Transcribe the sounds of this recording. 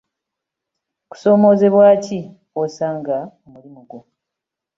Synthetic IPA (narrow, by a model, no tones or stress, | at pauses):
ku̥so̞ːmo̞ːze̞βwaːci | osaːŋɡaomulimuɡwo